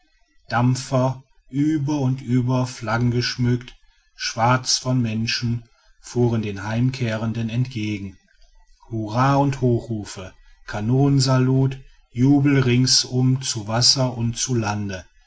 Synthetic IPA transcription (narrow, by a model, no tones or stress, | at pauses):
d̥amfɐ | ʔyːbɐʊntʔyːbɐflaɡŋ̩ɡəʃmʏkt | ʃv̥aɐt͡sfɔnmɛnʃn̩ | fuːʁəndeːnɦaɪmkʰeːʁəndənɛntɡ̥eːɡŋ̩ | huʁaːʊnthoːxʁuːfə | kʰanoːnənzaluːt | juːbl̩ʁɪŋsʊmt͡suvasɐʊntt͡sulandə